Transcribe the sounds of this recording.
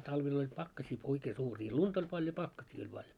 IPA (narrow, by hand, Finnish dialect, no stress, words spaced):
tɑiʋel olʲ pɑkːɑsiː oikeː suːriː luntɑ̆ olʲ pɑljo pɑkːɑsiː olʲ pɑljo